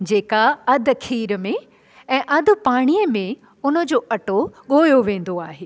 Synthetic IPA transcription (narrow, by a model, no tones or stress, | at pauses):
d͡ʑeːkaɐd̪ʱkʰiːɾmẽ | ɛ̃ːʔɐd̪̆ʱpaːɽ̃iːəmẽ | ʊnə̆d͡ʑoːʔɐʈoɠoːjoʋẽːn̆d̪oaːɦeː